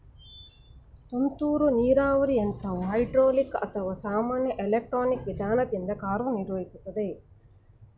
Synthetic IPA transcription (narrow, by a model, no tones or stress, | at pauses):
t̪ont̪uːɾuniːɾaːʋɐɾient̪ʰɐuɦɐjɖɾoːlikːɐ̰t̪ʰɐʋaːsaːmaːnjɐʔelek̚ʈɾoːnikʋid̪ʱaːnɐt̪ind̪ɐkaːɾʋɐniɾʋɐɦisut̪ːɐd̪e